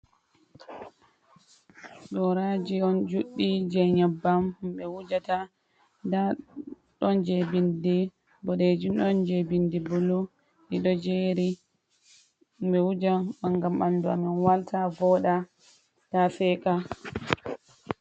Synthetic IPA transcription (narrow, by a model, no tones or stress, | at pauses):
ɗɔɾad͡ʒiɔnd͡ʒuɗːid͡ʒɛɲɛbːamhumɓɛwud͡ʒata | da | ɗɔnd͡ʒɛbindi | bɔɗed͡ʒiɗɔnd͡ʒebindibulu | iɗɔd͡ʒeɾi | mɓɛwud͡ʒaɓaŋɡamɓanduamɛnwaltavɔːɗa | d̥afɛka